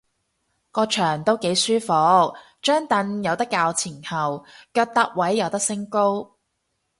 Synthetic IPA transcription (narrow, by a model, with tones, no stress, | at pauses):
kɔː˧t͡ʃʰœː˨˩ŋt̪o˥wke˨˥jsyː˥fɔ˨˧k̚ | t͡ʃœː˥ŋt̪ɐ˧njɐ˨˧wt̪ɐ˥kːaː˧wt͡sʰiː˨˩nhɐ˨wkœː˧k̚t̪ɐ˥k̚wɐ˨˥jːɐ˨wt̪ɐ˥k̚sɪ˥ŋko˥w